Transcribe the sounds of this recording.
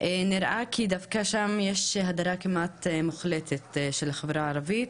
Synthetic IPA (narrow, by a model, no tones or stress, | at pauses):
ʔeniɾʔakʰid̪avkaʃamjeʃhad̪aɾakimat̪muχlet̪ʰet̪ʃelaχevɾaːɾavit̪